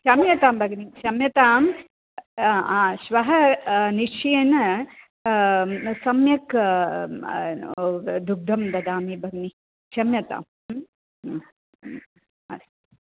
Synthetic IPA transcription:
t͡ʃɐmjɐt̪aːmbʱɐɡnit͡ʃɐmjɐt̪aːm | ãːʃʋɐɦɐniʂeenɐ | sɐmjɐk | d̪uɡ̚d̪ʱɐmd̪ɐd̪aːmibʱɐɡni | t͡ʃɐmjɐt̪a̰ːm | ɐ̰s

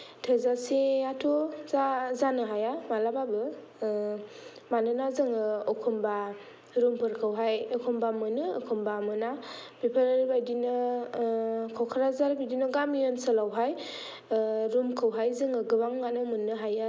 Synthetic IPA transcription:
tʰɯzaseatʰuzazanɯɦajamalababɯ | manɯnazɯŋɯɔkʰumba | ɾumpʰɯɾkʰɯwɦajɯkʰumbamɯnɯːkʰumbamɯnabipʰəɾɾbajdinɯ | kʰawkʰaɾazaɾbidinɯɡamijɔnsalawɦaj | ɾumkʰɯwɦajzɯŋɯɡɯbaŋːanɯmɯnːɯɦaja

